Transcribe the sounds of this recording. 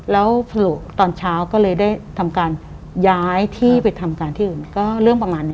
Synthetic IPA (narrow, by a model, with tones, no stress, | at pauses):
lɛː˦˥wpʰa˧lu˨˩t̪ɔː˧nt͡ɕʰaː˦˥wkɔː˥˩lɤː˧jdaː˥˩jt̪ʰa˧mkaː˧n | jaː˦˥jt̪ʰiː˥˩pa˧jt̪ʰa˧mkaː˧nt̪ʰiː˥˩ʔɯː˨˩nkɔː˥˩ɾɯ˥˩əŋpɾa˧maː˧nː˦